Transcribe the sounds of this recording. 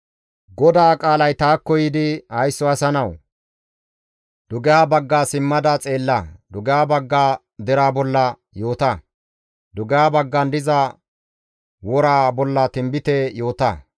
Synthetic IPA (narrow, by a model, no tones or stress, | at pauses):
ɡɔd̪aːkʼaːlɐjt̪aːkːɔjiːd̪ɪhɐjsːɔɐsɐnɐw | d̪̥ʊɡɛjaːbɐɡːaːsɪmːɐd̪ɐt͡sʼe̞ːlːɐd̪ʊɡɛjaːbɐɡːaː | d̪ɛɾaːbɔlːɐ | jo̞ːt̪ɐ | d̪ʊɡɛjaːbɐɡːɐnd̪ɪzɐ | wɔɾaːbɔlːɐt̪ɪmbɪt̪ɛjo̞ːt̪ɐ